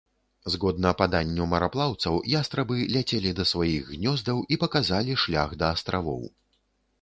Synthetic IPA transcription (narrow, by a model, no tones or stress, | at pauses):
zɣɔd̪nɐpad̪anʲːumɐɾaplˠawt̪sɐwjast̪ɾɐbɨlʲat͡sʲɛlʲid̪ɐsvajiɣɣnʲɔzd̪ɐwipɐkazalʲiʂlʲaɣd̪ɐːst̪ɾʔavɔ̰w